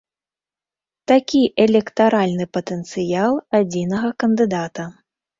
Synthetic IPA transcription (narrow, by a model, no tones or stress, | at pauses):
t̪akʲiʔɛlʲɛkt̪aɾʔalʲnɨpɐt̪ɛnt̪sɨjalˠad͡zʲinɐɣɐkɐnd̪ɨd̪at̪ɐ